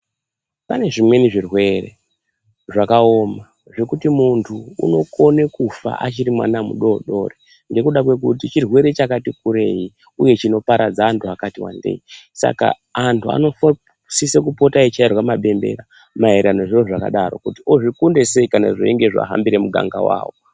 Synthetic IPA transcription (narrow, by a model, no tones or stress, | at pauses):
pane̞ʐimwe̞niʐirwe̞re̞̰ | ʐakao̞ma | ʐe̞kutimuntʰuṵno̞ko̞ne̞kufa̰ʔat͡ʃiɾimwa̰namṵɗo̞ɗo̞re | ŋɡe̞kuɗakwe̞kutit͡ʃirwe̞ɾe̞t͡ʃakatikuɾe̞ji | uje̞t͡ʃino̞paɾʔad͡zaːntʰuakatiwa̰ndḛisa̰ka̰ː | ntʰua̰no̞f | sisek̬upo̞tait͡ʃairwamaɓe̞mbe̞̰ɾa | maɦe̞ɾano̞ʐiro̞ʐaka̰ɗaɾo̞kutioʐikundesekana̰ʐoeŋɡe̞ʐa̰ɦa̰mbiɾe̞muɡʱa̰ŋɡawa̰ːwo